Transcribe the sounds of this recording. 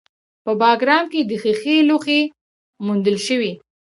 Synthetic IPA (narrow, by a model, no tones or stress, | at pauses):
pəbɑɡɾɑmked̪əxəxeloxe | mund̪əlʃəwi